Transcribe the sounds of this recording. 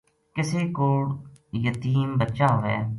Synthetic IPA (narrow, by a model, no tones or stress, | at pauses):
kɪseːkoːɽjət̪iːmbətːʃaːɦoːɛ̰ː